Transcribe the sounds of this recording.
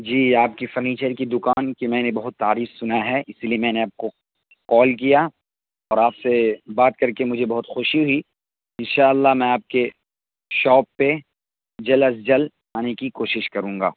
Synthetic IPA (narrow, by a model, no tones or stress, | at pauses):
d͡ʒiːaːp̚kifɐɾniːt͡ʃəɾkid̪ʊkaːnkimɛ̃ːnebɐɦʊt̪ːaːɾiːxsʊnaɦɛɪsliemɛ̃ːneaːp̚ko | kɔːlkija | ɔːɾaːpsebaːt̪kɐɾkemʊd͡ʒʱebɐɦʊt̪xʊʃiɦʊi | ɪ̃nʃaːəlːaɦmɛ̃ːaːp̚ke | ʃɔːpːe | d͡ʒɐlɐsd͡ʒɐl | aːnekikoːʃɪʃkɐɾũːŋɡa̰ː